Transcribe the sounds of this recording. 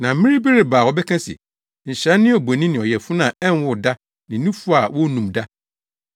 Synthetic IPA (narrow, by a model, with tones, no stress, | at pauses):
nã˨˦mĩ˦ɾi˦be˦ɾe˨baː˨wɔ˨˦bɛ˦kʰã˦sɪ̰˨ | ɲ̩˨ɕɾɛ˦nɪ̃˦ɔ˨be˨nĩ˦nɪ̃˨ɔ˨jɛ˨fʊ˦nã˨ɛ̃˦n˦wʊ˨da˦ | nɪ̃˨˦nũ˦fʊ˦a˨wɔ˦nũ˨mda˦